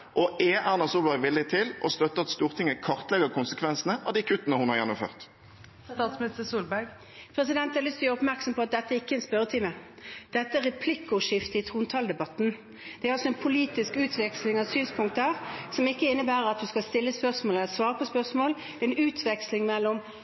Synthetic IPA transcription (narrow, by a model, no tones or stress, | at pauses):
ʔɔʔɛʔæːnɑsuːlbæɪʋɪlːɪt̪ʰɪlʔɔst̪œt̪ːəɑt̪st̪uːʁt̪ʰɪŋːəkʰɑʁt̪lɛɡəkʰʊnsəkʰʋɛnsənəʔɑʋd̪ikʰʉt̪ːənəhʊnhɑʁjɛnːɔmfø̰ːʁt̪ | t̪ɑt̪smɪnɪst̪əsuːlbæɡ | pʰɾɛsɪd̪ɛnt̪ɑɑlʏst̪ʰl̩jəːɾʊpmæɾksɔmpʰɔɑt̪̚d̪ɛt̪ːəæɾɪkːəɛnspœɾət̪ʰɪmə | d̪̥ɛt̪ːəæɾɛpʰlɪkːʊʂɪft̪əɪt̪ʰʁuːnt̪ʰɑːld̪ɛbɑt̪ːn̩ | d̪̥ɛæɾɑlsɔɛnpʰʊliːt̪ɪskʉːt̪ʰʋɛkslɪŋɑʋsyːnspʰʊŋkt̪əæʁsɔmɪkːəɪnːəbæːɾəɾɑt̪̚d̪ʉskɑlst̪ɪlːəspœʁsmoːlət̪sʋɑːʁəpʰɔspœʁsmoːld̪̥ɛɛnʉːt̪ʰʋɛkslɪŋmɛlːɔm